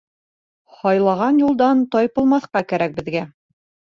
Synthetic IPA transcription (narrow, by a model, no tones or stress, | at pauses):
hɒjlˠɑʁɑnjulˠd̪ɑnt̪ɒjpɤ̆lˠmɑθqɑkæɾæk̚bɘ̆ðɡæ